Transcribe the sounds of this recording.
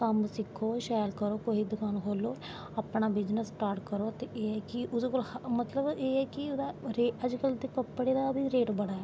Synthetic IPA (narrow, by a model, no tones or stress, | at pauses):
kɐmsɪkʰːoːʃaːlkəɾoːkoːɦid̪ʊkaːnɦoːloː | ɐpnabɪd͡ʒnəsːʈaːɾʈkəɾoːt̪eʔeːɛkiʔʊskolhmət̪ləbeːɛːkiʊd̪aɾeːəd͡ʒkəlt̪ekəpːəɽed̪abʱiɾeːʈbəɽaɛː